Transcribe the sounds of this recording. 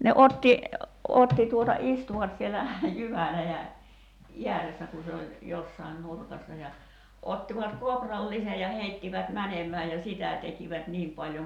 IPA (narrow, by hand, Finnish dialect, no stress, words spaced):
ne otːi otːi tuotɑ istuʋɑt sielæ jyʋælæjæ iæresːæ ku se olʲ josːɑin nurkɑsːɑ jɑ otːiʋɑt koːprɑlːise jɑ heitːiʋæt mænemæː jɑ sitæ tekiʋæt niːm pɑlʲjoŋ